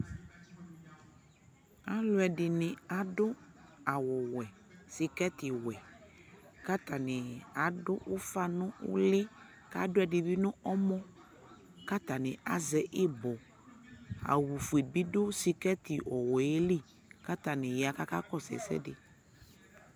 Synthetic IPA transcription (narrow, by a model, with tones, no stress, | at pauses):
a˦lʊ˦ɛ˨dɪ˨nɪ̃˨a˨dʊ˦a˨wɔ˨wɛ˨ | si˨kɛ˦tɪ˨wɛ˨ | ka˦t̪a˨nɪ̃˨a˨dʊ˦ʔʊ˦fa˦nʊ̃˦ʊ̰˦lɪ˦ | ka̰˦dʊ˦ɛ˨dɪ˨bi˦nʊ̃˦ʔɔ˦mɔ̃˦ | ka˦t̪a˨nɪ̃˨ʔa˨zɛ˦ʔɪ˦bɔ˨ | a̰˨wu˨fu˨e˨bi˦dʊ˦si˨kɛ˦t̪ɪ˨ʔɔ˨wɔ˨e˦li˦ | ka˦t̪a˨nɪ̃˨ja˨ka˦ka̰˦kɔ˦sɛ̰˨sɛ̰˦dɪ˨